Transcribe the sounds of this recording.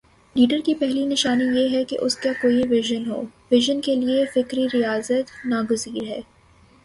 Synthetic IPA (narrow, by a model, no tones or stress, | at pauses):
liːɖəɾkipɛɦlinɪʃaːnijeɦɛkḛʔʊskakoːiʋɪʒənɦo̰ːʋɪʒənkeliefɪkɾiɾijaːzət̪naːɡʊziːɾɦɛː